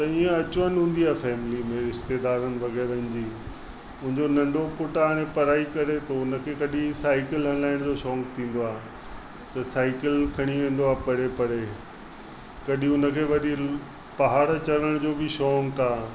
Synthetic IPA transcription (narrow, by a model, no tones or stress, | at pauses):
t̪ɐiːə̃ɐt͡ɕʋənɦũːn̆d̪iaːfɛːmɪlimẽɾɪʃt̪eːd̪aːɾənɪ̆ʋɐɣɛːɾəɦɪ̃nd͡ʑiː | ʊ̃ɦɪ̃ɲd͡ʑonɐ̃ɳɖʱopʊʈañẽpɐɾaːikɐɾet̪oʊnə̆kʰeːkɐɗĩsaːɪkɪlɐ̃nlaːɪñd͡ʑoʃɔːŋkt̪ʰĩːn̆d̪oaː | t̪ɐsaːɪkɪlkʰɐɽ̃iʋẽːnd̪oaːpɐɽepɐɽe | kɐɗĩʊnə̆kʰeːʋɐɗi | pɐɦaːɽt͡ɕɐɾəɽ̃d͡ʑoːbɪʃɔːŋkaː